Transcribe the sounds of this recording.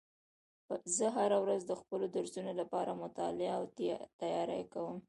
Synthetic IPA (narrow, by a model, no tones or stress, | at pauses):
zəɦaɾawɾazd̪əxpəlod̪aɾzunolapɑɾamʊt̪ɑ̰lɪaawt̪t̪ajɑɾa̰jkawəm